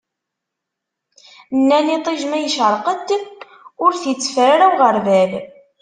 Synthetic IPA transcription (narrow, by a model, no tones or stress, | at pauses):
nːænit̪ˤiʒmæjəʃəɾˤqət̪ːək | ʊɾθit͡sːfɾɾæwʁəɾvæl